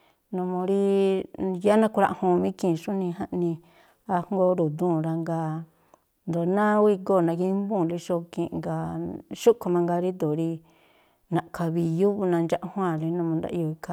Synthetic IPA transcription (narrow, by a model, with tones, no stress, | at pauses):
nõ˧mõ˧ɾi˦ | ja˦nã˦˧ku˧ɾa˧ʔhũ˧mĩ˦kĩ˦˨ʃũ˦nĩ˧ɦã˦ʔnĩ˧ | a˧hŋ˦ɡo˧˦ɾu˨d̪ũ˦˨ɾa˧ŋɡa˧ | nd̪o˨nã˦wi˦˧ɡo˦˨nã˧ki˧˦mbũ˦˨li˧ʃo˧kĩ˧˨˧ŋɡa˧ʃu˦ko˧mã˧ŋɡa˧ɾi˦d̪o˨ɾi˧ | nã˨ʔkʰa˧βi˧ju˦βu˧nã˧nd͡ʒa˦˧ʔhw̃ã˦˨li˧nũ˧mõ˧nd̪a̰˦˧ʔi˧o˧i˧ka˧˦